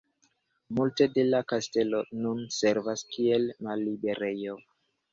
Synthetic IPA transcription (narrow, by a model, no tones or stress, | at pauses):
multe̞de̞lakaste̞lo̞nunse̞ɾvaskielmalːibe̞ɾe̞jo̞